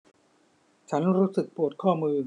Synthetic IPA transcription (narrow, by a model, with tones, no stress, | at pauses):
t͡ɕʰa˦˥nɾuː˦˥sɯ˨˩k̚pu˨˩ət̚kʰɔː˥˩mɯː˧